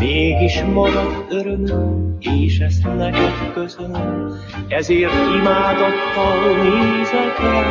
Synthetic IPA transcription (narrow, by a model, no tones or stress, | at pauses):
meːɡiʃmɒɡɒt̪øɾømømeːʃɛst̪nɛkɛt̪køsønøm | ɛzeːrt̪imaːd̪ot̪ːɒlneːzɛt̪ɛ